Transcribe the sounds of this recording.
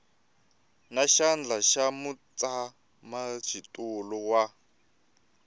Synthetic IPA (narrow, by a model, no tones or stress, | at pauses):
naʃand͡ɮaʃamut͡sʼa | mat͡ʃʰitʼulɔwa